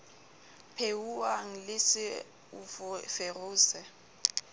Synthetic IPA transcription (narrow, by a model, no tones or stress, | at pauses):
pʰeuwaŋ̩lɪsɪ | ufʊferʊːsɛ